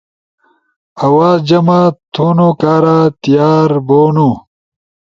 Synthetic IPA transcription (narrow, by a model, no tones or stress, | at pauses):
ɐwaːd͡ʑɐmat̪ʰuːnokaːɾat̪ijaːɾboːnu